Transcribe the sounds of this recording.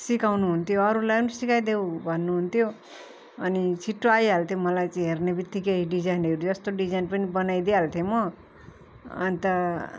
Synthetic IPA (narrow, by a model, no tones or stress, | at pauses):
sikawnuɦunt̪ʰjoʌɾulajʌnusikajd̪ewbʱʌnːuɦunt̪ʰjo | ʌnit͡sʰiʈːoajɦalt̪ʰjemʌlajt͡saĩɦernebit̪ːikeɦiɖid͡zajnʌɾud͡zʌst̪oɖid͡zajnpʌnibʌnajd̪eɦalt̪ʰjemʌ | nit̪ʌ